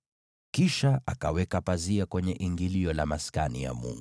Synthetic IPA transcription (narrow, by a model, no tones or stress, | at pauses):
kiʃaʔakawɛkapaziakwɛɲɛʔiŋɡiliɔlamaskanija̰mṵŋɡu